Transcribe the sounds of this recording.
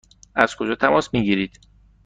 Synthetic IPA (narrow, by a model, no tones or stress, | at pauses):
æz̥kʰo̞d͡ʒɒːt̪ʰæmɒːsmiːɟiːɾiːd̪̥